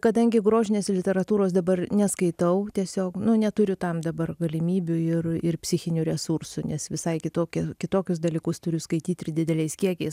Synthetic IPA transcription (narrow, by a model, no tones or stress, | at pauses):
kɐd̪ɐŋʲɡʲɪɡɾoːʒʲɪnʲeːslʲɪt̪ʲɛɾɐt̪uːɾoːsd̪ɐbɐrnʲɛskɐɪt̪ɐʊtʲiɛsʲoːknʊnʲɛt̪ʊɾʲʊt̪ɐmd̪ɐbɐrɡɐlʲɪmʲiːbʲʊɪrɪrpʲsʲɪxʲɪnʲuɾʲɛsursʊnʲɛsʋʲɪsɐɪkʲɪt̪oːkʲɛkʲɪt̪oːkʲʊsd̪ɐlʲiːkʊst̪ʊɾʲʊskɐɪt̪ʲiːt̪ʲɪɾʲdʲɪd̪ʲɛlʲɛɪskʲiɛkʲɛɪs